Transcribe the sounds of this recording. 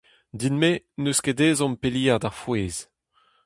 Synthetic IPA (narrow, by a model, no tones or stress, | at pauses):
d̪inme | nøsked̪eːzɔ̃mpeliːaʁd̪aʁfweːz̥